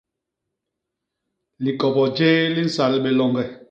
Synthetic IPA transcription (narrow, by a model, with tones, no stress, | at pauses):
li˨kɔ˨bɔ˨d͡ʒeː˦li˦n̩˨sa˨lɓɛ˨lɔ˨ŋɡɛ˨